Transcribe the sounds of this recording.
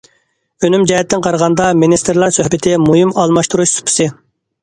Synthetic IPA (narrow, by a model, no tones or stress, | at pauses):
ønymd͡ʒɛɦɛt̪ʰːɪnqʰɑɾʁɑnd̪ɑminist̪ɪɾlˠɑɾsøhbɪt̪ʰɪmuhimɑlˠmɑʃt̪uɾuʃsu̥pʰɨ̥sɨ